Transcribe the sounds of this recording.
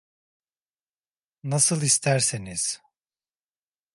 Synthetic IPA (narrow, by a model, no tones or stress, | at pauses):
nasɯlˠist̪ʰæɾseniz̥